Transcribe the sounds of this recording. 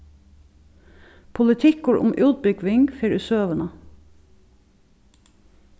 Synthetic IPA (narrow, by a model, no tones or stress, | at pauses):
pʰʊlɪt̪ʰɪkʊɹʔʊ̰mʔʉːt̪̚bʏɡʋɪŋɡfeɾʉsøːʋənə